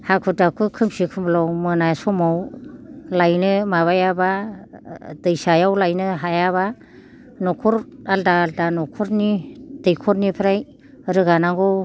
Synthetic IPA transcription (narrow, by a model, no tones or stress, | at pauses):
hakʰudakʰukʰɯmsikʰumblawmɯnajsɔmaw | lajnɯmaβajaba | dɯjsajawlajnɯɦajaβa | nɔkʰuɾaldaːldanɔkʰuɾnid̥ɯjkʰɔɾnipʰɾaj | ɾɯɡanaŋɡɔw